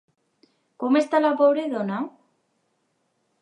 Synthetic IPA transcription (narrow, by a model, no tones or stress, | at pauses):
komest̪alapoβɾeðona